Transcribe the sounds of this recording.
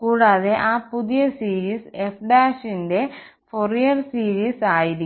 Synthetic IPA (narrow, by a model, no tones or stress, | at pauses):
kuːɽaːðeʔaːpuðijɐsiːɾiːsefɖaːɕinde̞forijɐrsiːɾiːsaːjiɾi